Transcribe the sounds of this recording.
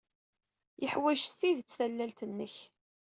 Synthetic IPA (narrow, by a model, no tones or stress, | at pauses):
jəħwæʒst̪iðt͡sːθælːælt̪ənːəç